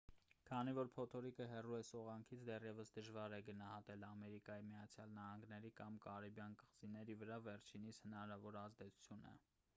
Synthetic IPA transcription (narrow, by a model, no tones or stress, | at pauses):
kʰɑnivɔɾpʰɔt̪ʰɔɾikəɦɛruɛsɔʁɑŋkʰit͡sʰd̪ɛrjɛvəsd̪əʒvɑɾɛɡənɑhɑt̪ɛlɑmɛɾikɑjimiɑt͡sʰjɑlnɑhɑŋɡnɛɾikɑmkɑɾibjɑnkəʁzinɛɾivəɾɑvɛɾt͡ʃʰinishənɑɾɑvɔɾɑzd̪ɛt͡sʰu̥t͡sʰjunə̰